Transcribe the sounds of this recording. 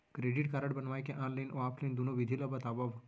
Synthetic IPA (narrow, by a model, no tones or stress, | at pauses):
kɾeɖiʈkaɾəʈbənʋajkẽʔãnlajnoapʰlĩnd̪unoʋid̪ʱiləbət̪aʋaʋ